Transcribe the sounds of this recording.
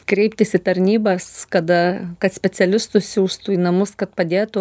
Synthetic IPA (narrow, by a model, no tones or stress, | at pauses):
kɾʲɛɪp̚ʲt̪ʲɪsʲɪt̪ɐɾʲnʲiːbɐskɐd̪ɐkɐt̪sʲpʲɛt͡s̪ʲɛlʲɪst̪ʊsʲsʲuːst̪uːiːnɐmʊskɐt̪̚pɐd̪ʲeːt̪ʊ